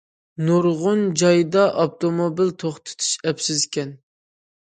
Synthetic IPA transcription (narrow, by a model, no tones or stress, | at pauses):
nuɾʁʊnd͡ʒɑjd̪ɑʔop̚t̪ʰomobilt̪ʰoχt̪ʰɨ̥t̪ʰu̥ʃɛpsɪzkʲɛn